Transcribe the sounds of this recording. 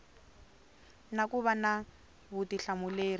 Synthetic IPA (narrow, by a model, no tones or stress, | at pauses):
nakuβana | βutiɬamʊleːri